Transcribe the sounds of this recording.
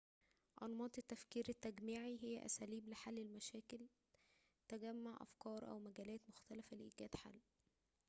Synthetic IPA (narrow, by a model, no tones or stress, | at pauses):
ʕɑ̰nmɑːt̪ˤet̪ːæfkiːɾet̪ːæɡmiːʕiɦejːæʔæ̰sæːliːblɪħalːelmæʃæːkɪl | t̪æɡæmːoʕʔæ̰fkɑːɾˤʔæ̰wmæɡæːlæːt̪moxt̪ælæfæleʔiːɡæːd̪ħa̰lː